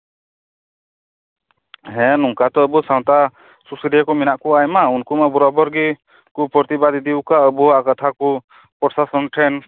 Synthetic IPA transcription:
ɦɛ̃nuŋkat̪ɔəbusaw̃t̪a | susiɖiakɔminaʔkuajmaunkumabɔɾɔbɔɾɡi | kupɾɔt̪ibad̪id̪iwkaəbuakat̪ʰaku | pɔɾsasɔnʈʰɛn

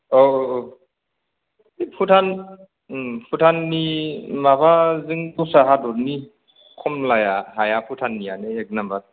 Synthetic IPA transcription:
o | ipʰutʰan | pʰutʰanːimabazɯŋkusaɦadɔɾni | kʰɔmlajaɦajapʰutʰanːijaneek̚nambat

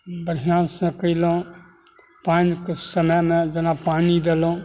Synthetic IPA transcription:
bəɾjaːnsẽkəilõː | paːnkesəməjmẽd͡ʒɐnapaːnid̪elõː

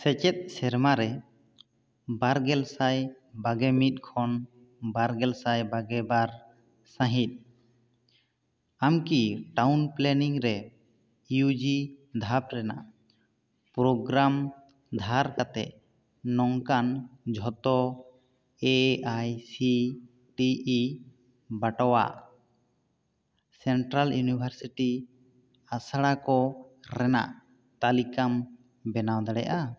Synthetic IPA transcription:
sɛt͡ʃɛt̪̚ˀsɛɾmaɾɛ | baɾɡɛlsaj | baɡɛmit̪̚ˀkʰɔn | baɾɡɛlsajbaɡɛbaɾ | sãɦit̪̚ˀ | amkiʈawnplɛniŋɾɛ | jud͡ʒid̪ʱap̚ɾɛna̰ | pɾɔɡɾam | d̪ʱaɾkat̪ɛ̰ʔ | nɔŋkand͡ʒʱɔt̪ɔ | eajsi | ʈi | baʈɔwa̰ʔ | sɛɳʈɾaljunibʱaɾsiʈi | asaɽakɔɾɛna̰ʔ | t̪alikam | bɛnawd̪aɽɛ̰ʔa

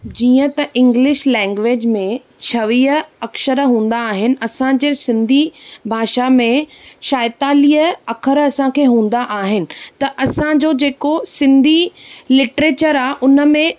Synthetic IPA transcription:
d͡ʑiːə̃t̪ɐʔɪ̃ŋɡlɪʃlɛ̃ːŋɡʋeːd͡ʑmẽ | t͡ɕʰɐʋiːəɐkʃəɾɦũːn̆d̪aːɦɪnɪ̆ɐsãd͡ʑeːsɪ̃nd̪ʱibʱaːʃamẽʃaːɪt̪aːliːəɐkʰəɾɐsãkʰeːɦũːn̆d̪aʔaːɦɪnɪ̆t̪ɐʔɐsãd͡ʑoːd͡ʑeːkosɪ̃nd̪ʱilɪʈɾeːt͡ɕəɾaːɦʔʊnə̆mẽ

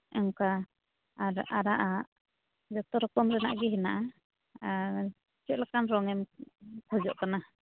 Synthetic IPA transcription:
ɛŋka | aɾaɾaʔaʔ | d͡ʒɔt̪ɔɾɔkɔmɾɛna̰ʔɡɛɦɛnaʔa | aɾ | t͡ʃɛʔ̚lakanɾɔŋɛmkʰɔd͡ʒɔʔkana

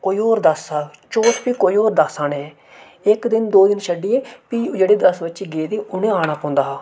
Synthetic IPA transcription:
koːiːoːɾd̪əsaː | t͡ʃoːʈpiːkoːiːoːɾd̪əsaːneː | ɪkd̪ɪnd̪oːd̪ɪnʃəɖːiːeːpiːd͡ʒeːɽeːd̪əsbətːʃiːɡeːd̪iːʊnẽːaːɽ̃ãːpõːnd̪aːɦaː

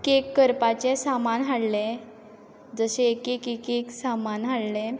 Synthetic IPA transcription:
kekːəɾpat͡ɕesamanɦaɽlẽ | d͡zəɕekekekeksamanɦaɽlẽ

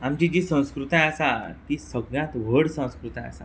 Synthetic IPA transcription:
amt͡ɕid͡ʑiːsə̃w̃skɾut̪ãəsat̪iːsəɡɳjãt̪ʋ̤əɽsə̃w̃skɾut̪ãə̰sa̰

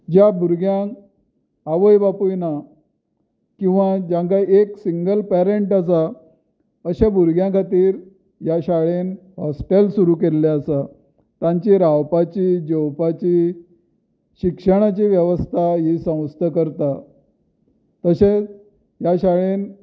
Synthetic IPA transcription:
d͡ʑjabuɾɡjãkː | ʋəjbapujna | kĩw̃ʋad͡ʑãŋkaieksiŋɡəlpæɾeɳʈasa | əɕabuɾɡjãkʰat̪iːɾ | jaɕaɭenhɔsʈelsuɾukelːeəsa | t̪ãɲt͡ɕiɾawpat͡ɕiːd͡ʑowpat͡ɕiː | ɕikʂəɽ̃at͡ɕiːʋjəʋəst̪ʰaɦisə̃w̃st̪ʰəkəɾt̪a | t̪əɕet͡s | jaɕaɭen

